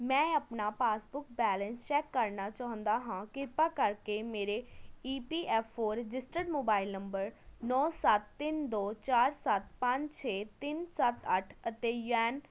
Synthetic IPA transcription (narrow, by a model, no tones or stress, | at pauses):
mɛ̃ːəpnaːpaːsbʊk̚bɛːlə̃nst͡ʃɛːkːəɾnaːt͡ʃãːɦʊ̃nd̪aːɦãːkɪɾpaːkəɾkemeːɾeiːpiːʔɛːpʰːoːɾɪd͡ʒɪsʈəɖmoːbaːɪlnəmbəɾnɔːsət̪ːɪnd̪oːt͡ʃaːɾsət̪pə̃ɲd͡ʒt͡ʃʰeːt̪ɪnsət̪əʈʰət̪eːjɛːn